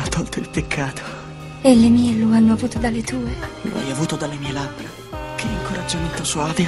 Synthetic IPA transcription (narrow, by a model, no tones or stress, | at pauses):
not̪ɔlt̪oilpekʰːaːt̪o̥ | elːemiːeloanːoavuːt̪od̪alet̪uːelo̰a̰javuːt̪od̪alːemiːelabːɾe | kʰeiŋkoɾad͡ʒːament̪osoaːve